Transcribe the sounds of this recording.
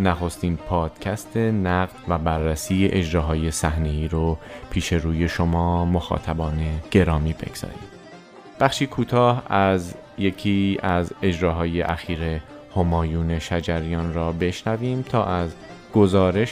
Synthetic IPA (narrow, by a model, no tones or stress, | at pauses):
næxo̞st̪iːnpʰɒːd̪̥cʰæst̪ʰe̞næɣd̪væbærːæsiːeʔed͡ʒɾɒːɦɒːje̞sæhne̞iːɾopʰiːʃe̞ɾuːje̞ʃomɒːmoxɒ̰ːt̪ʰæbɒːneɡ̥e̞ɾɒːmiːbe̞̰ɡz̥ɒ̰ːɾḭːm | b̥æxʃiːkʰuːt̪ʰɒːhæz | je̞cʰiːæze̞d͡ʒɾɒːɦɒːje̞ʔæxiːɾe̞ | homɒːjuːne̞ʃæd͡ʒæɾijɒːnɾɒːbe̞ʃnæviːmt̪ʰɒːʔæz | ɡ̥o̞zɒːɾe̞ʃ